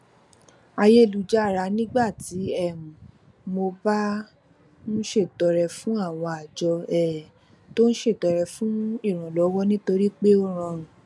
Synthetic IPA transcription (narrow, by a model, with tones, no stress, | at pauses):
a˧je˦˨lu˨d͡ʒa˦˨ɾa˨˧˦nĩ˦ɡ͡ba˦˨ti˨˦ɛ˦˨mũ˨ | mo˧ba˦ | ñ̩˦ʃe˦˨tɔ˨ɾɛ˨fũ˦a˦˨w̃ɔ̃˧a˨d͡ʒɔ˧ɛ˦˨ | to˦ñ̩˦ʃe˦˨tɔ˨ɾɛ˨fũ˦i˦˨ɾ̃ã˨lɔ˨˦wɔ˦nĩ˦to˧ɾi˦k͡pe˦o˦ɾ̃ã˧ũ˨